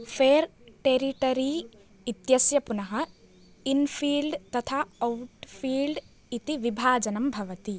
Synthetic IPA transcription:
fʰeːɾʈeːɾiʈɐɾi | it̪jɐsjɐpunɐɦɐ | infʰiːlɖt̪ɐt̪ʰaːɐwʈfʰiːlɖ | it̪iʋibʱaːd͡ʒɐnɐmbʱɐʋɐt̪i

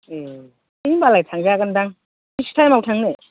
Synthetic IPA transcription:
e | imbalajtʰaŋd͡ʒaɡəndaŋ | istʰajmawtʰaŋne

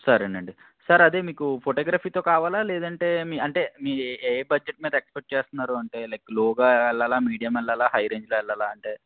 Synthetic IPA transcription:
sɐɾɐɳɐɳɖi | sɐɾɐd̪eːmiːkupʰoʈoːɡɾaːpʰiːt̪o̞ːkaːʋaːlaːlɛːd̪ɐɳʈe̞ːmiːɐɳʈe̞ːmiːeːbɐd͡ʒeʈ̚miːd̪ɐekspeʈ̚t͡ʃeːst̪unːaːɾuɐɳʈe̞ːlɐjklɔːɡaːɛlːaːlaːmiːɽijɐmɛlːalaːɦɐjɾeːɲd͡ʒloɛlːaːlaːɐɳʈe̞ː

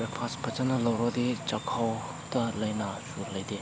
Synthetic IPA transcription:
epʰaspʰɐt͡ʃanɐlɐwɾɐdit͡ʃɐkʰaw | tɐlɐjnasuɾlɐjde

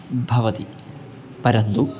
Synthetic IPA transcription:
bʱɐʋɐt̪i | pɐɾɐnd̪u

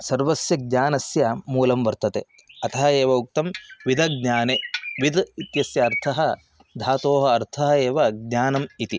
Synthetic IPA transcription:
sɐɾʋɐsjɐɡ̚ɲaːnɐsjɐmuːlɐmʋɐɾt̪ɐt̪e | ɐt̪ʰɐɦɐeːʋɐuk̚t̪ɐmʋid̪ʱɐɡɲaːneʋid̪it̪jɐsjɐːɾt̪ʰɐɦɐ | d̪ʱaːt̪oːɦɐɐɾt̪ʰɐɦɐeːʋɐɡ̚ɲaːnɐmit̪i

